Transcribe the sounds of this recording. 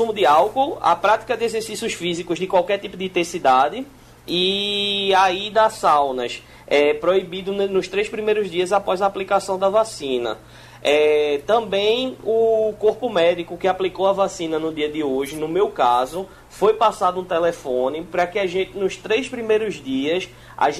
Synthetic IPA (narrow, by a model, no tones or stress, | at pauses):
ũmʊd̪ɪawkowɐ̰pɾat̪i̥kɐd̪ɪezeɾsisʊsfizikʊzd̪ɪkwawkɛɾt̪ipʊd̪ɪit̪ẽsid̪ad̪ɪ | i | aid̪ɐsawnɐs | ɛpɾoibid̪ʊnnʊʃt̪ɾejspɾimejɾʊzd̪iɐzapɔjzɐːplikasɐ̃w̃d̪ɐvasĩnɐ̰ | ɛt̪ɐ̃bẽj̃ʊkoɾpʊmɛd̪ikʊkɪaplikowɐvasĩnɐnʊd̪iɐd̪ɪoʒɪnʊmewkazʊ | fojpasad̪ʊũt̪ɛlefõnɪpɾɐkɪaʒẽnt̪ɪnʊʃt̪ɾejspɾimejɾʊzd̪iɐs | a̰ʒ